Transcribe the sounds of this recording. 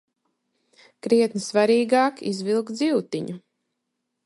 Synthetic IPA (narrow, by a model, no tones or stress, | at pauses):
kɾiɛt̪nɨsvaɾiːɡaːkizvilˠkd̪ziwt̪iɲu